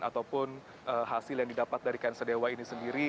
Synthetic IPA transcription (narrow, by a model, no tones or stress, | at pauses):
a̰t̪awpʊn | ʔəɦasɪljaŋdidapat̪̚daɾikansədewainisəndiɾi